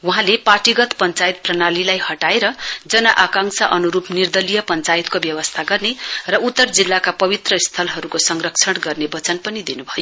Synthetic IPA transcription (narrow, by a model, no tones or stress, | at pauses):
wuɦãlepaʈiɡʌt̪pʌnt͡sajt̪̚prʌnalilajhʌʈaeɾʌd͡zʌnʌʔakãŋsʌʔʌnuɾupnird̪ʌlijʌpʌnt͡sajt̪kobjʌwʌst̪ʰaɡʌrnerʌut̪ːʌrd͡zilːakapʌβit̪rʌist̪ʰʌlɦʌɾukosʌŋrʌkt͡sʰʌɽɡʌrnebʌt͡sʌnpʌnid̪inubʱʌjo